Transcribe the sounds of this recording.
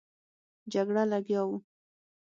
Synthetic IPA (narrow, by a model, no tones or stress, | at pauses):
d͡ʒaɡɽalaɡjaw